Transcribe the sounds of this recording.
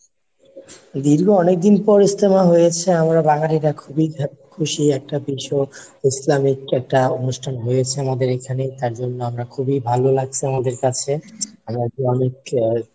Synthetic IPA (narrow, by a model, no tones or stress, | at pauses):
d̪iɾɡʱoɔnek̚d̪inpɔɾist̪emaɦojet͡ɕʰeamɾabaŋaliɾakʰubikakʰuʃiɛk̚ʈapiʃoislamikɛk̚ʈaonuʃʈʰanɦojet͡ɕʰeamad̪eɾekʰanet̪aɾd͡ʑonːoamɾakʰubibʱalolaɡ̚t͡ɕʰiamad̪eɾkat͡ɕʰeamɾaoɔnek̚